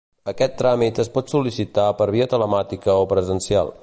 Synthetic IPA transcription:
əkɛt̪ːɾamit̪əspɔt̪sulisit̪apəɾβ̞iət̪ələmat̪ikəopɾəzənsia̰lˠ

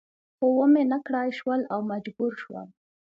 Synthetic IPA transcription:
xowəmenakɽɑjʃwəlawmad͡ʒbuɾʃwə̰l

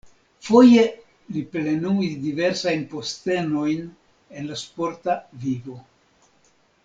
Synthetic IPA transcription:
fo̞je̞ | liple̞nuizdive̞ɾsajnpo̞ste̞no̞jn | enlaspo̞ɾtavivo̞

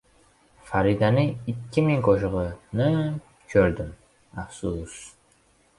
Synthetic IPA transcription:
faɾid̪anɪɪkʲʰːɪmɪŋqʰoʃɨʁɨnɪ | kʲʰøɾd̪ɪm | afsus

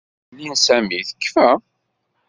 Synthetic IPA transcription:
linsæmiθə̥kːfæ

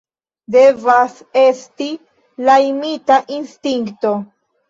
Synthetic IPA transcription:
devas | e̞sti | lajmitaʔinstiŋkto̞

